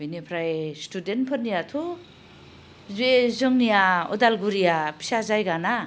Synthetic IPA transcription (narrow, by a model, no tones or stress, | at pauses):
benepʰɾajstudenpʰɯnijatʰu | zezɯŋnijaɔ̰dalɡuɾijapʰi̥sazajɡana